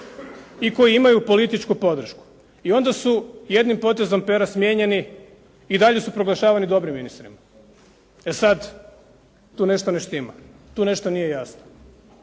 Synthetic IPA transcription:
iko̞jiimajupo̞lit̪it͡ʃkupo̞d̪r̩ʃku̥ | io̞nd̪asuje̞d̪nimpo̞t̪e̞zo̞mpe̞ɾasmjeɲe̞ni | id̪aʎe̞supɾo̞ɡlˠaʃaːʋanid̪o̞bɾimːinist̪ɾḭma | esad̪ | t̪uːne̞ʃt̪oneʃt̪ima̰t̪uːne̞ʃt̪o̞nije̞jasno

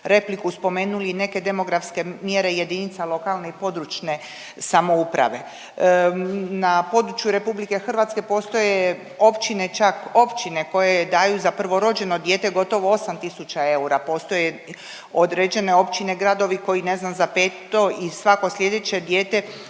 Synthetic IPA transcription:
ɾe̞plikuspo̞me̞ːnuline̞ke̞d̪e̞mo̞ɡɾafske̞mje̞ɾe̞je̞d̪init̪salo̞kalˠne̞ipo̞d̪ɾut͡ʃne̞ | samo̞upɾa̰ʋe̞ | napo̞d̪ɾut͡ʃjuɾe̞publike̞xr̩ʋat̪ske̞po̞ːst̪o̞je | o̞pt͡ʃine̞t͡ʃako̞pt͡ʃine̞ko̞jed̪aːjuzaprʋo̞ɾo̞d͡ʑe̞nod̪jeːt̪e̞ɡo̞t̪o̞ʋo̞o̞samt̪isut͡ʃae̞uɾapo̞ːst̪o̞je | o̞d̪ɾed͡ʑe̞ne̞o̞pt͡ʃine̞ɡɾad̪o̞ʋiko̞jine̞znamzapeːt̪o̞isʋako̞slʲje̞d̪e̞t͡ɕe̞d̪je̞ːt̪e̞

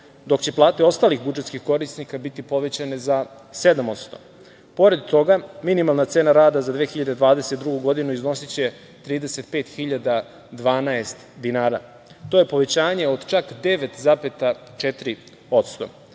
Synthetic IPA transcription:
d̪o̞kt͡ɕe̞plˠaːt̪eo̞st̪aːlixbud͡ʒet̪skixko̞ɾisnikabit̪ipo̞ʋe̞t͡ɕane̞za | se̞d̪amo̞t̪st̪o̞̥̰ | po̞ɾe̞d̪t̪o̞ɡaminimalˠnat̪se̞ːnaɾaːd̪azad̪ʋeːxiʎad̪ed̪ʋaːd̪eset̪̚d̪ɾuɡuɡo̞d̪inuizno̞sit͡ɕe̞ | t̪ɾiːd̪e̞se̞t̪̚pe̞ːt̪xiʎad̪a | d̪ʋaːnaest̪d̪inaːɾa̰ | t̪o̞je̞po̞ʋe̞t͡ɕaːɲe̞o̞d̪t͡ʃakd̪e̞ʋe̞t̪zapet̪at͡ʃet̪iɾi | o̞t̪st̪o̞̰

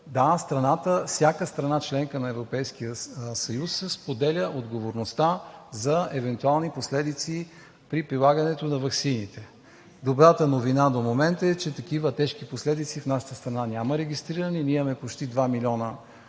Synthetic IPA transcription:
d̪ast̪ɾɐnat̪əfsʲjakəst̪ɾɐnat͡ʃlɛŋkənɐɛvɾopɛjskijəsɐjusːɛspod̪ɛlʲəʔod̪ɡovoɾnost̪azɐɛvɛnt̪ualˠniposlɛd̪it̪si | pɾipɾilˠaɡɐnɛt̪onɐvɐksinit̪ɛ | d̪obɾat̪ənovinad̪omomɛnt̪əɛt͡ʃɛt̪ɐkivət̪ɛʃkiposlɛd̪it̪sifnaʃə̥t̪əst̪ɾɐnanʲaməɾɛɡʲist̪ɾiɾəniniɛmɛpot͡ʃt̪id̪vamilʲɔnə

